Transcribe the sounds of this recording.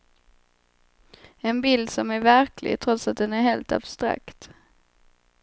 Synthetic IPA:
ɛnbɪld̪sɔmæɾvæɾkʰlɪ̰ɡt̪ʰɾɔt̪sat̪̚d̪ɛnæɾɦheːlt̪a̰b̥st̪ɾa̰kt̪

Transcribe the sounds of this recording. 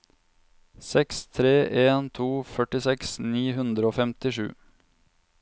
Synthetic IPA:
sɛkst̪ʰɾeːʔeːnt̪ʰuːfœʈɪsɛksniːhʉnd̪ɾəoːfɛmt̪ɪʃʉ̰ː

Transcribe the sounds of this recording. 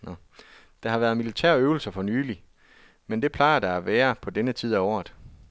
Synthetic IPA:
nɒ | d̥ɑ̈hɑ̈ʋæːɐð̞̩ˠmilit͡sʰæɐ̰øʊl̩sɐfɒ̽nyːli | mend̥e̝pʰl̥ɑ̈ɪɐd̥ɑ̈æʋæːɐpʰɒ̽d̥enət͡sʰið̞̰ˠæɒ̰ːð̩ˠ

